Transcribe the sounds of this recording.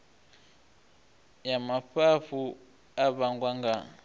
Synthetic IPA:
jamaɸaɸu | aβaŋɡwaŋɡa

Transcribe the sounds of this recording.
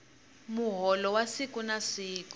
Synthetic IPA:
muɦɔlɔwasikʼunasiːku̥

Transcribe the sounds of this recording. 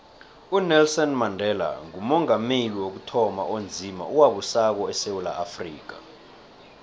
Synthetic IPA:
unɛlsɔnmandʱɛla̰ŋumɔŋameliwok̬utʰɔma̰ʔond͡zʱima̰ʔuwaɓusak̬ɔɛsewula̰afrḭːk̬a̰

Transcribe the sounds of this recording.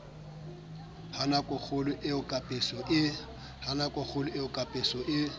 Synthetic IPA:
hanakʼʊk͡xʰʊlʊʔɪʊkʼapʼɪsɔʔɪ | hanakʼʊk͡xʰʊlʊɪʊkʼapʼɪsɔʔɪ

